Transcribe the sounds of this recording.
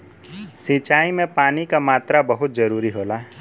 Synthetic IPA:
sit͡ʃaːimẽpaːnikamaːt̪ɾabɐɦʊt̪̚d͡ʒɐɾuːɾiɦoːlaːɦɛ

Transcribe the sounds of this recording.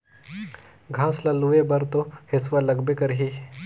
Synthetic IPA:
ɡʱãslaluʋebəɾt̪ohesʋaləɡbekəɾɦi

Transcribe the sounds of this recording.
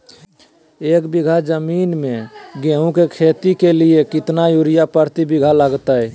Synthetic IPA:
eːkbiɡʱad͡ʒəminmẽɡeɦũkekʰet̪ikeliekɪt̪najuɾijapəɾt̪ibiɡʱaləɡt̪ə

